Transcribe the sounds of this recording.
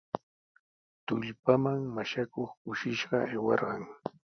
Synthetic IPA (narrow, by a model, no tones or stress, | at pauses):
t̪ʊʎpamaŋmaʃakoχkʊʃɪʃɢɑajwɑɾɢɑŋ